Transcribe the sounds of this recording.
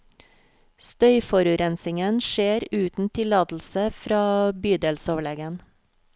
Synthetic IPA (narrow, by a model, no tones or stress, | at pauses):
st̪œʏfɔɾʉɾɛnsɪŋənʃeːɾʉːt̪n̩t̪ʰɪlɑːd̪l̩səfɾɑːbyːd̪eːlsɔʋlɛɡən